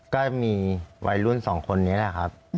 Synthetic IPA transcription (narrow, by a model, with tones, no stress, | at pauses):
kɔː˥˩miː˧wʔa̰˧jlu˥˩nsɔː˩˦ŋkʰo˧nːi˦˥la˨˩jkʰa˦˥p̚